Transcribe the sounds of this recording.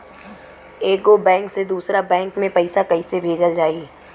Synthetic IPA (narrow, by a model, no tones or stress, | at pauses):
eːɡobɛ̃ːŋksed̪uːsɾabɛ̃ːŋkmẽpɐɪsakɐisebʱeːd͡ʒəld͡ʒaːi